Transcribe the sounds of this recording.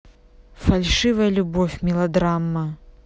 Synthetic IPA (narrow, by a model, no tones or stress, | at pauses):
falʲʂɨvɐjɐlʲubɔfʲmʲilˠad̪ɾamːɐ